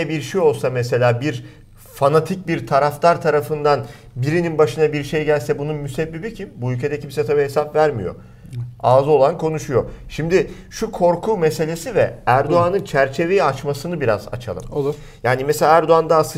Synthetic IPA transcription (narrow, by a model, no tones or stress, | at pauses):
ɛbiɾʃijo̞lˠsamese̞lʲaːbiɾ | fanat̪ʰic̚biɾt̪ʰaɾaft̪ʰaɾt̪ʰaɾafɯnd̪an | biɾininbaʃɯnabiɾʃe̞jɟælʲsɛbununmysɛbːibicʰimbuylʲcʰe̞d̪ɛcʰimsɛt̪ʰabiɦe̞sapvæɾmḭjo̞̰ | aːzˠo̞lˠankʰo̞nuʃujo̞̰ʃimd̪ɪ | ʃukʰo̞ɾkʰuːmese̞lʲe̞sivɛæɾd̪o̞anɯnt͡ʃʰæɾt͡ʃʰe̞ve̞jiat͡ʃmasɯnɯbiɾa̰za̰t͡ʃʰa̰lˠɯ̰mˠ | jaːnimeselʲaːæɾd̪o̞and̪aːsɯ